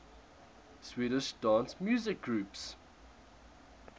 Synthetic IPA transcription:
swiːɾɪʃdãːnsmjuːzɪk̚ɡɹuːps

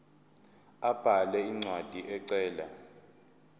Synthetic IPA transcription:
ab̥ʱalɛiŋ͡ǀʱwad̥ʱiʔɛǀɛːla

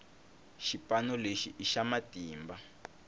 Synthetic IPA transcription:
ʃipanɔleʃiʔiʃamatiːmba

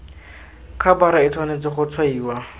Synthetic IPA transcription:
kʰabaɾait͡sʰwanet͡sɪχʊt͡sʰwaiːwa

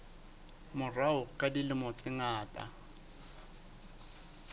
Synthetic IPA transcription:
mʊraʊkʼadilɪmɔt͡sʼɪŋaːtʼa̰

